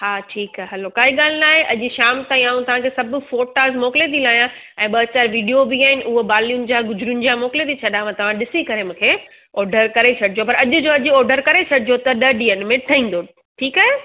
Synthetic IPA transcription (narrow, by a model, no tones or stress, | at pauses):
haːʈʰiːkaːɦeɦɐlokaːɦiɠaːlɪnaːɦeʔɐʄʊ̆ʃaːmt̪aːĩaːũt̪ɐʋ̤ãkʰesɐbʱfoːʈaːzmɔːkɪlet̪ilaːjã | ɛ̃ːɓɐt͡ɕaːɾʋiːɖijobiaːɦɪnɪ̆ʔʊɦobaːlijʊnɪ̆d͡ʑaɡʊzɾjʊnɪ̆d͡ʑamɔːkɪlet̪ʰit͡ɕʰɐɗaʋãt̪ɐʋ̤ãɗɪsikɐɾemũːkʰeː | ɔːɾɖəɾkɐɾet͡ɕʰɐɖʱɪd͡ʑopɐɾɐʄʊd͡ʑoːɐʄʊɔːɾɖəɾkɐɾet͡ɕʰɐɖɪd͡ʑot̪ɐɗɐɗiːənmẽʈʰɐĩːn̆d̪o | ʈʰiːkaːɦe